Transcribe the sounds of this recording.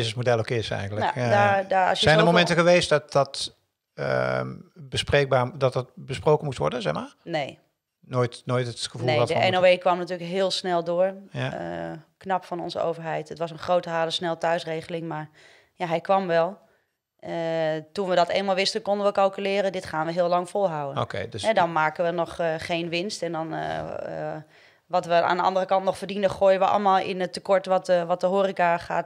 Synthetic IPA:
ɪsəsmodɛlˠokɪsɛ̰jndələdadaːɑ̰sjəɛjndəmowmɛ̃ntəɣəʋejstdɔt̚dɔt | bəspreːk̚baːdɑtɑt̚bəsprowkənmustʋɔ̰ɹdənzɛxmaːɹnej | noːjtnoːjtətxəvunˠedɔtdəɛnoejkʋɑmnatyːləkɦɪːlˠsnɛlˠdʊːɹ̰ | knɑpfɑnɔ̰nzəo̰wvəɹɦɛjtətʋɑsənχrowtəɦaːləsnɛlˠətœɥsrejɣəlɪŋmaɹ | jaɦɛjkʋɑmʋɛlˠ | tunʋədɔteːləmalˠʋɪstənkɔndənʋəkɑlˠkylɪːɾədɪtχaːnʋəɦɪːlɑŋfolˠɦawəno̰kḛɛdɔnmaːkəʋənɔχχejnʋɪnstɛndɔn̰ | ʋɑtʋəa̰ːndəɑ̰ndərəkɑntnɔχfərdinəxoːjəʋəʔɑ̰lˠəmaːlˠʔɪ̰nətːəkɔɹtʋɔtəʋɔt̚dəɦoːrikaχa̰ːt

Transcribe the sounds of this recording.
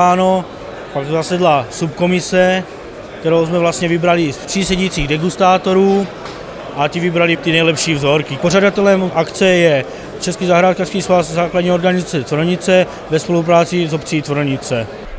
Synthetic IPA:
aːno̞ | pakt̪zasɛdlasupko̞mɪsɛ | kt̪ɛɾowzmɛvlast̪ɲɛvɪbɾalit̪r̥iːsɛɟit͡siːɣdɛɡust̪aːt̪o̞ɾuː | ʔat̪ivibɾalit̪inɛjlɛpʃiːvzo̞ɾkipoʒ̝adat̪ɛlɛmʔakt͡sɛjɛ | t͡ʃɛskiːzaɦɾaːt̪̚kafskiːsvaszaːkladɲiːoɾɡanizat͡sɛt͡s̪vɾɲɪt͡sɛ | vɛspo̞lup̬ɾaːt͡sizopt͡siːt̪vɾɲɪt͡sɛ

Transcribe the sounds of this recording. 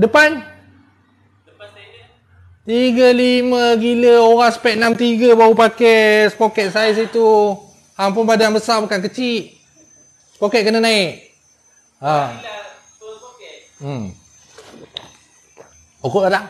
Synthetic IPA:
dəpan | t̪iɡəlimə̃ɡiləoɣaŋsə̥pɛʔ̪̚namt̪iɡəbaupakɛsəpokɛt̪̚sais̬it̪u | haŋp̬ʊnbadaaŋbəsabukankət͡ʃit̪̚ | spokɛt̪̚kənənaik | a | m | okoʔala

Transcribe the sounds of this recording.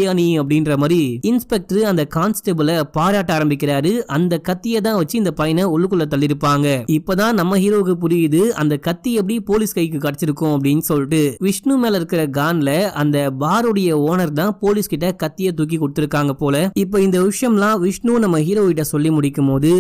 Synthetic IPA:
jaːniɐpːɐɽɪnɾɐmaːdɾiɪnspɛk̚ʈɐɾɯɐnd̪ɐkaːnsʈɐbɯlɐpaːɾaːʈːɐaːɾɐmbɪkːɪɾaːɾɯʔɐnd̪ɐkɐt̪ːɪjɛt̪ãːʋɐt͡ʃːɯɪnd̪ɐpɐjɐnɐɔɭːɯkːɯlːɐt̪ɐlːɪɾɯpːaːŋɡɐɪpːoːt̪ãːnɐmːɐɦiːɾoːʋɯkːɯpʊɾɪjðɯɐ̰nd̪ɐkɐt̪ːiɛp̬ːɐɽipoːliskɐɪk̬ːɯkɐɽɐt͡ʃːɪɾɯkːʊ̃ɐp̬ːɐɽɪnːsɔlːɪʈːɯʋɪʂɳumeːlɐɪɾɯkːɪɾɐɡaːnlɐɐnd̪ɐbaːɾɯɽɐjɐoːnɐɾt̪ãːpoːliskɪʈːɐkɐt̪ːɪjɐt̪uːk̬ːikːɔɽɯt̪ːɪɾɯkːaːŋɡɐpoːlɐɪpːoːɪnd̪ɐʋɪʂɐjɐmlãːʋɪʂɳunɐmːɐɦiːɾoːɪʈːɐsɔlːimʊɽɪkːɯmpoːðɯ

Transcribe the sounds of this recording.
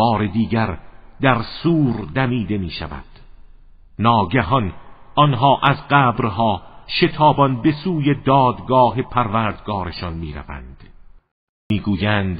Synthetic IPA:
bɒːɾe̞d̪iːɡæɾd̪æɾsuːɾd̪æmiːd̪e̞miːʃæ̰væ̰d̪̥ | nɒːɡæɦɒnʔɒnɦɒːʔæzɢæːbɾɦɒːʃe̞t̪ʰɒːbɒnbe̞suːjed̪ɒːd̪ɡɒːɦe̞pʰæɾvæɾd̪ɡɒːɾe̞ʃɒnmiːɾæ̰væ̰nd̪̥ | miːɡuːjænd̪̥

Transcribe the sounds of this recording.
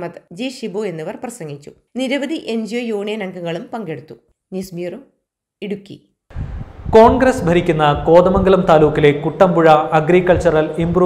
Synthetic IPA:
mɐt̪d͡ʑiɕiboe̞nːɐʋɐrprɐsɐŋɡit͡ɕːu | niɾɐʋɐd̪ʱiʔeɲd͡ʑijojuːɳijɐnɐŋɡuŋːɐɭumpɐŋɡeɽut̪ːu | nismirum | iɽukʲːḭ | ko̞ːɳɡɾɐsbʱɐɾikʲːunːɐko̞ːd̪ɐmɐŋɡɐlɐmt̪aːluːkːile̞kuʈːɐmbuɻɐɐɡɾikːɐɭt͡ɕɐrɐlimbru

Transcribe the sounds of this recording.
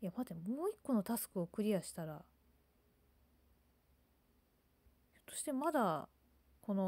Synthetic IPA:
jamat̪emoːikːo̞no̞t̪asɨ̥kɯ̟o̞kɯ̟ɾʲiaɕi̥t̪aɾa | t̪ːo̥ɕi̥t̪e̞mad̪a | ko̞no

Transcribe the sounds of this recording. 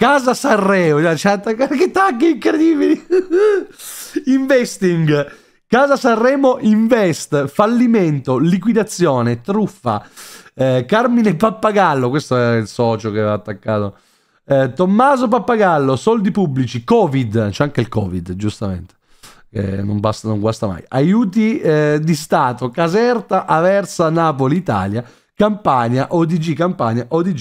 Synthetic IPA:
kaːzasarːɛːod͡ʒɛt͡ʃɛat̪ːakaket̪ːakːiiŋkɾed̪iːbili | iɱvɛst̪iŋɡ | kaːzasarːɛːmoʔiɱvɛst̪falːimɛnt̪olikwid̪at̪sːjɔːnet̪ɾufːa̰ | kaɾminepapːaɡalːokwest̪oɛɾailsɔːt͡ʃokevaːt̪ːakːa̰ːt̪o̰ | t̪omːaːzop̬apːaɡalːosɔld̪ipublit͡ʃikɔːvid̪t͡ʃɛaŋkeilkɔːvid̪d͡ʒust̪amḛnt̪e̥ | kḛnːo̰ŋbast̪noŋɡwast̪ama̰ːja̰juːt̪̬id̪ist̪aːt̪okazɛrt̪aʔavɛrsanaːpoliːt̪a̰ːlja | kampaɲaʔod̪id͡ʒikampaɲaʔod̪id͡ʒ

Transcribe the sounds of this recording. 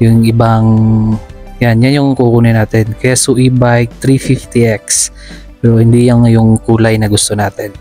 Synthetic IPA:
jʊŋʔɪbaŋ | janjanjʊŋkukuːnɪnaːt̪ɛnkɐjaʔsuʔibajk̚t̪ɾifift̪iʔɛks | dohɪnd̪ijaŋjʊŋkuːlɐjnɐɡʊst̪onaːt̪ɛn

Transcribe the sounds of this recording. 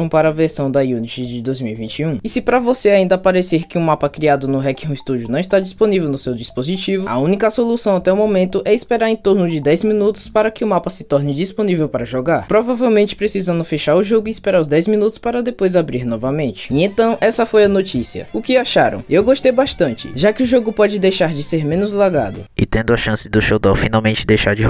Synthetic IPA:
ɐ̃w̃paɾɐːveɾsɐ̃w̃d̪ɐjunit͡ʃid͡ʒɪd̪ojzmiwivĩt͡ʃiũisɪpɾɐvoseaĩnd̪ɐapaɾeseɾkɪũmapɐkɾiad̪ʊnʊɦɛkĩʊist̪ud͡ʒʊnɐ̃w̃st̪ad͡ʒisponivewnʊsewd͡ʒispozit͡ʃivʊɐ̰ũnikɐsolusɐ̃w̃at̪ɛʊmomẽnt̪ʊʔɛispeɾaɾẽt̪oɾnʊd͡ʒɪd̪ɛjzmĩnut̪ʊ̥spaɾɐkɪʊmapɐsɪ̥t̪ɔɾnɪd͡ʒisponivewpaɾɐʒɔɡaɾpɾovavewmẽnt͡ʃɪ̥pɾesizɐ̃nd̪ʊfeʃaɾʊʒoɡʊiispeɾaɾʊzd̪ɛjzmĩnut̪ʊ̥spaɾɐd̪epojzabɾiɾnɔvɐmẽnt͡ʃɪ̥ẽt̪ɐ̃w̃ʔɛsɐfojɐnot͡ʃisiɐ̰ʊkɪaʃaɾɐ̰̃w̃ewɡoʃt̪ejbaʃt̪ɐ̃nt͡ʃɪ̥̰ʒakɪʊʒoɡʊpɔd͡ʒɪd̪ejʃaɾd͡ʒɪseɾmẽnʊzlaɡa̰d̪ʊ̰ɪ̰t̪ẽnd̪ʊɐʃɐ̃sɪd̪ʊʃowd̪awfinawmẽnt͡ʃɪd̪ejʃaɾd͡ʒɪ

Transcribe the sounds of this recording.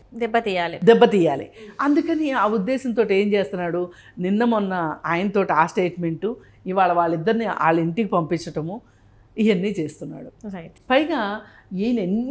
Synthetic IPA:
d̪ɛbːɐt̪iːjaːlid̪ɛbːɐt̪iːjaːlḭɐnd̪ukɐniaːud̪ːɛːsɐnt̪̬o̞ːʈie̞ːmt͡ʃe̞ːst̪unːaːɽu | ninːɐmɔnːɐaːjɐnɐt̪o̞ːʈiaːsʈeːʈme̞ɳʈu | iʋaːɭɐʋaːɭːid̪ːɐɾniʔa̰ːɭːiɳʈikipɐmpit͡ʃːɐʈɐmu | ijɐnːiːt͡ʃe̞ːst̪unːa̰ːɽupɐjɡaː | iːnenː

